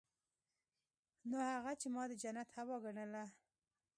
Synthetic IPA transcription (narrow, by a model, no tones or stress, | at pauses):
nohaɣat͡ʃemɑd̪əd͡ʒanat̪hawɑɡaɳəla